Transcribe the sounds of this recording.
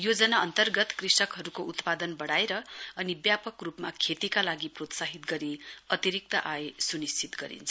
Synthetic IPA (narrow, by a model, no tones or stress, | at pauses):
jod͡zʌnaʌnt̪ʌrɡʌt̪krisʌkɦʌɾukout̪pad̪ʌnbʌɽaeɾʌʌnibjapʌkrupmakʰet̪ikalaɡiprot̪saɦit̪ɡʌɾiʌt̪iɾik̚t̪ʌʔaesunist͡sit̪ɡʌɾḭnt͡sʰʌ